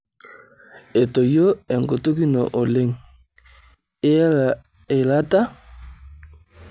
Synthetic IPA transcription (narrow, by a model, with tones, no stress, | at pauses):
e˨to˨jo˦e˨ŋɡo˨to˦ki˦nɔ̰˨ʔo˨le˦ŋ˦ | e˨la˦ta˦